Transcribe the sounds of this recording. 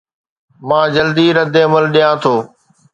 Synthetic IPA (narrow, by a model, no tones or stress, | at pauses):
mãːd͡ʑəld̪iːɾəd̪eəməlɗijãːt̪ʰoː